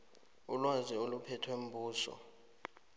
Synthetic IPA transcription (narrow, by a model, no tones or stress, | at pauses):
ulwaziolupʰɛtʰwem̩bʱuːsɔ̰